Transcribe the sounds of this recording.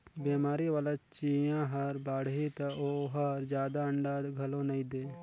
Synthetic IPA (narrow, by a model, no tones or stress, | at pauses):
beːmaːɾiʋaːlat͡ʃiːjãɦɐɾbaːɽit̪ɐoɦɐɾd͡ʒjaːd̪aə̃ɳɖaːd̪ɡʱɐlõnɐĩd̪eː